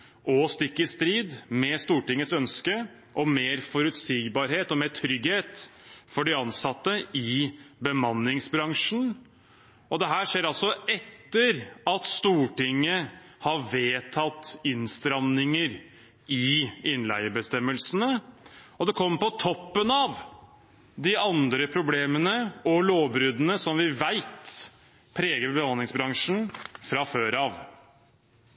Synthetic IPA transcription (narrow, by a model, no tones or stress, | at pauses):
ʔɔst̪ɪkːɪst̪ɾiːd̪mɛst̪uːʈɪŋːət̪sœnskə | ʔɔmeːɾfɔɾʉt̪siːɡbɑːɾɦeːt̪ɔmeːʈʰɾʏɡheːt̪fɔɖɪɑnsɑt̪ːəɪbəmɑnːɪŋsbɾɑŋʂn̩ | ɔd̪ɛɦæːʂeːɾɑlsɔɛt̪ːəɾɑt̪st̪uːʈɪŋːəhɑʋeːt̪ʰɑt̪ɪnst̪ɾɑnːɪŋəɾ | ɪɪnlæ̰ɪəbəst̪ɛmːəlsənəɔd̪ɛkʰɔmːpɔt̪ʰɔpːənɑʋ | d̪ɪɑnd̪ɾəpʰɾʊbleːmənəɔloːbɾʉd̪ənəsɔmʋɪʋæɪt̪ | pʰɾeːɡəɾɛbəhɑnlɪŋsbɾɑŋʂn̩fɾɑføːɾɑːʋ